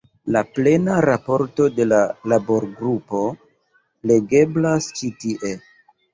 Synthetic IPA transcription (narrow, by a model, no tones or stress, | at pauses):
laple̞naɾapo̞ɾto̞de̞lalabo̞ɾɡɾupo̞ | le̞ɡe̞blast͡ʃitiʔe̞